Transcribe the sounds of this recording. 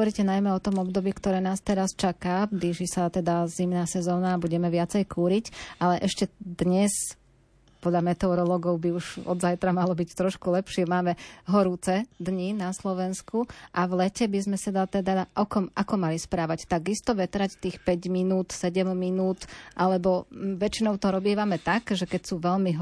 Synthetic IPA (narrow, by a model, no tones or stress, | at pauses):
ɔɔɾicɛnajmɛɔt̪ɔmɔbd̪ɔbiːkt̪ɔɾɛːnaːst̪ɛɾast͡ʃakaːb̪ɾiʒisat̪ɛd̪azimnaːsɛzɔːnaːbuɟɛmɛʋɪat͡sɛjkuːɾicʔalɛʔɛʃcɛd̪ɲɛs | pɔd̪ʎamɛt̪ɛɔɾɔlɔɡɔʊbiuʒɔ̰d̪zajt̪ɾamalɔbict̪ɾɔʃkulɛpʃɪɛmaːmɛɦɔɾuːt͡sɛd̪ɲinaslɔʋɛnskuʔaʋlɛcɛbizmɛsad̪at̪ɛd̪ad̪aʔɔkɔmʔakɔmalispɾaːʋact̪aɡist̪ɔʋɛt̪ɾact̪iːxpɛɟminuːt̪sɛɟɛmːinuːt̪ʔalɛbɔʋɛt͡ʃinɔʊt̪ɔɾɔbiɛʋamɛt̪aɡʒɛkɛcsuːʋɛʎmiɦ